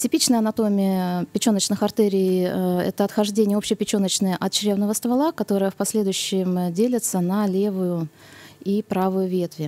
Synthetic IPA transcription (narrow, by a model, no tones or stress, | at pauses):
tʲɪpʲit͡ɕnəjəɐnɐt̪o̞mʲɪəpʲɪt͡ɕo̞nət͡ɕnɨxɐrt̪ɛɾʲɪːɛ̰t̪əɐt̪xɐʐdʲenʲɪjəo̞pɕːɪjəpʲɪt͡ɕonət͡ɕnəjəʔɐt̪t͡ɕɾʲe̞vnəvəst̪vɐlˠakɐt̪o̞ɾəjəfpɐsʲlʲed̪ʊjʉɕːɪmdʲelʲɪt̪sənɐlʲe̞vʊjʊ | ipɾavʊjʊvʲe̞t̪vʲɪ